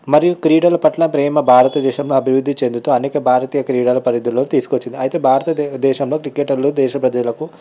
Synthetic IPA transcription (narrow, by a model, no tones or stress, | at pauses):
mɐɾijukɾiːɽɐlɐpɐʈlɐpɾɛːmɐbʱaːɾɐt̪ɐd̪ɛːʃɐmloːɐbʱiʋɾud̪ʱːit͡ʃe̞nd̪ut̪uːɐneːkɐbʱaːɾɐt̪iːjɐkɾiːɽɐlɐpɐɾid̪ʱːuloːnut̪iːsukot͡ʃːind̪iɐjit̪e̞ːbʱaːɾɐt̪ɐd̪ɛːʃɐmlo̞ːkɾikeːʈɐɾlod̪ɛːʃɐpɾɐd͡ʒɐlɐku